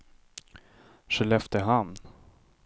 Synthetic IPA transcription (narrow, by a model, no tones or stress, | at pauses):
ʂɛlɛft̪əɦamn